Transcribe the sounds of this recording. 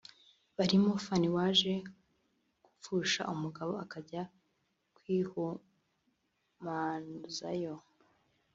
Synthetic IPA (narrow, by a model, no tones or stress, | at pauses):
βaɾimofaniwaːʒe̞ | ɡ̥u̥fuːʃa̰ʔumuɡaβoakaɟa | kwiːhu | manuza̰jo